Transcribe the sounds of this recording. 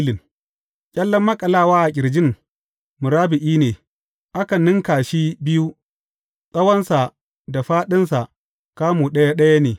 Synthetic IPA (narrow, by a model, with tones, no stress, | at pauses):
lɪ˨ŋ | kʲʼɐ˦lːɐ˦mːɐ˦kʼɐ˨laː˦˨waː˦ʔa˨kʲʼɪ˨ɾd͡ʒɪ˦˨ŋ | mʊ˨ɾaː˦bɪ˨ʔiː˦neː˨ | ʔa˦kɐ˨nɪ˦ŋkaː˨ʃi˦bɪ˦ju˦ | sʼɐ˦wɐ˦nsa˨ | da˨ɸaː˦ɗɪ˦nsa˨ʔ | kaː˦muː˨ɗɐ˦ja˦ɗɐ˦ja˦neː˨